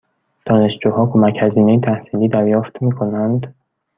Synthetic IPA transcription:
d̪̥ɒːne̞ʃd͡ʒuːhɒːkʰo̞mæchæziːnejet̪ʰæhsiːliːd̪æɾjɒːft̪miːkʰo̞nænd̪

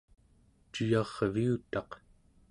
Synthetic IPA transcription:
t͡ʃujɑʁviut̪ɑq

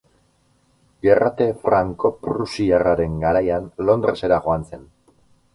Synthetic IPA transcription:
ɡerat̪e̞fɾaŋko̞pɾusiaraɾe̞ŋɡaɾajanlo̞nd̪ɾe̞se̞ɾaɣo̞anse̞n

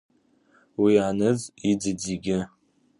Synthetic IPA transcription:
wianɨzid͡zɨd͡ziɡʲɪ

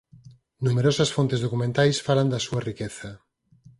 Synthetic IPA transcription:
numeɾosɐsfont̪ezðokumẽnt̪ajsfaland̪ɐsuɐrikɛθɐ

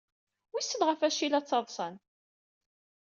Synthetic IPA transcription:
wisːəlʁəfæʃilæt͡sːɑðˤsˤən

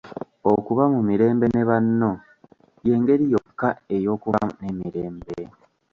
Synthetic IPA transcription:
okuβamumiɾe̞ːmbe̞neβanːo̞ | je̞ːŋɡe̞ɾijokːaejo̞ːkuβanemiɾe̞ːmbe

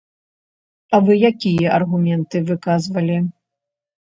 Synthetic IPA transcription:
ɐvɨjakʲijɐʔɐrɣumʲɛnt̪ɨvɨkazvɐlʲi

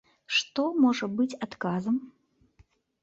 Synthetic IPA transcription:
ʂt̪ɔmɔʐɐbɨt͡sʲat̪kazɐm

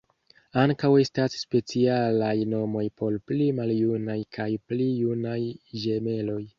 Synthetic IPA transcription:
aŋkawe̞stasːpe̞t͡sialajno̞mo̞jpʰo̞ɾplimaljunajkʰajplijunajʒe̞me̞lo̞j

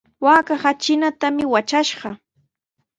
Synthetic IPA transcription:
waːkaχat͡ʃɪnat̪amɪwat͡ʃaʃɢɑ

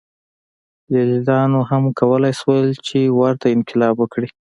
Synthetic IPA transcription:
jalid̪ɑnohamkawəlɑjswəlt͡ʃewaɾt̪aɪnkɪlɑbwəkɽi

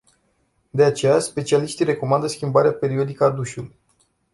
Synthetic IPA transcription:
d̪e̞at͡ʃe̞jaspe̞t͡ʃialiʃt̪iɾe̞ko̞mand̪əskʲimbaɾeape̞ɾio̞d̪ikəad̪uʃuluj

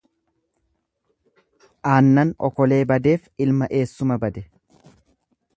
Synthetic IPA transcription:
ʔaːnːɐnɔ̰kɔle̞ːbɐd̪e̞ːfɪlmɐʔe̞ːsːʊmɐbɐd̪ɛ

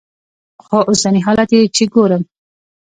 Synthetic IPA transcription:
xoʔʊsaniɦɑlat̪et͡ʃiɡoɾəm

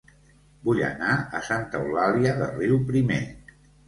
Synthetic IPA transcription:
buʎə̰naə̰sant̪əwlaliəðə̰riwpɾime

